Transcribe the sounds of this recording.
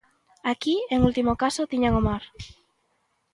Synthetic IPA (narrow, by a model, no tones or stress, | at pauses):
akieŋult̪imokasot̪iɲaŋomaɾ